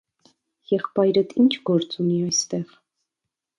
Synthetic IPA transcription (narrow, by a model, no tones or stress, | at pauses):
jɛχpɑjɾət̪ʰint͡ʃʰɡ̥ɔɾt͡suniɑjst̪ɛʁ